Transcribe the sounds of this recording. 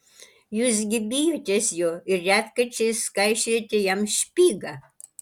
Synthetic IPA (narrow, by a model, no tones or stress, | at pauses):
juzɡʲibʲijotʲesʲjoirʲat̪kɐt͡ʃeskajʃetʲejamʃpʲiɡa